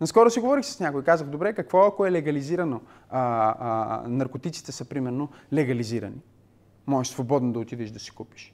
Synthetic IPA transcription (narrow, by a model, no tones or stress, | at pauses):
nɐskɔɾosiɡovɔɾixsə̥snʲakʊjikazəxd̪obɾɛkɐkvɔɐkoɛlɛɡɐliziɾɐno | nɐɾkot̪it̪si̥t̪ɛsəpɾimɛɾnolɛɡɐliziɾɐ̰ni | mɔʒɛʃsvobɔd̪nod̪ɐot̪id̪ɛʃd̪ɐsi̥kupi̥ʃ